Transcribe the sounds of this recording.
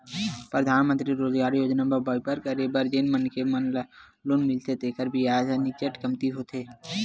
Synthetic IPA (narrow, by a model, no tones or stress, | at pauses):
pɾɐd̪ʱaːnmə̃nt̪ɾiɾoːd͡ʒɡaːɾijoːd͡ʒnabɐbɔːjpəɾkɐɾebəɾd͡ʒenmənkemənl | loːnmɪlt̪et̪eːkəɾbʱiaːd͡ʒanit͡ʃəʈkɐmt̪iɦot̪ʰeː